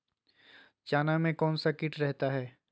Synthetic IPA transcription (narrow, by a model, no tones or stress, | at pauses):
t͡ʃaːnamẽkɔːnsakɪʈɾɛɦt̪aɦɛː